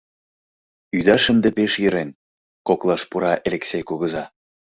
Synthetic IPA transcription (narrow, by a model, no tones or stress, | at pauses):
yd̪ɑʃə̆nd̪epeʃjə̆ɾen | koklˠɑʃpuɾɑʔelʲeksʲejkuɣə̆zɑ